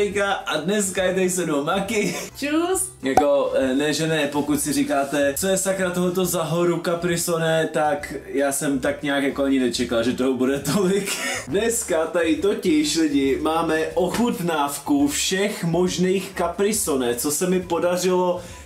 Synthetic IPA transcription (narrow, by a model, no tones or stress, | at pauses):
jkaʔadnɛs̬kajɛt̪ajɪsɛdomakɪt͡ʃus | jako̞nɛʒɛnɛpokut̪sɪrikaːt̪ɛt͡sojɛsakɾat̪oɦot̪o̞zaɦoɾukapɾɪso̞nɛt̪akjaːsɛmt̪akɲɛakjakoaɲɪnɛt͡ʃɛkalʒɛt̪oɦobudɛt̪olɪkdnɛskat̪aɾɪt̪ocɪʃlɪɟɪmaːmɛʔoxut̪naːfkufʃɛxmo̞ʒnijxkapɾɪsonɛt͡so̞sɛmɪpo̞darɪlo